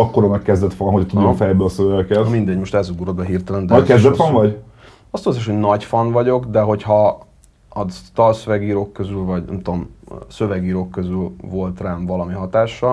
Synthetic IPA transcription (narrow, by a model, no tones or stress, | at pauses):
ɒkːoɾɒmɛkːɛzd̪ɛt̪fɒnɦot̪udofɛjbøɒsøvɛkɛt̪mind̪ɛɟmo̞ʃt̪ɛzuɡuɾod̪bɛɦirt̪ɛlɛnd̪ɛɒkɛzd̪ɛt̪fɒnvɒɟ | ɒst̪olzeːʃho̞ɟnɒɟfɒnvɒɟo̞kd̪ɛɦo̞chɒ | ɒt̪ɒlsøvɛɡiːɾokːøzylvɒɟnɛ̰mt̪omsø̞vɛɡiːɾoːkːøzylvo̞lt̪raːnvɒlɒmiɦɒt̪aːʃːɒ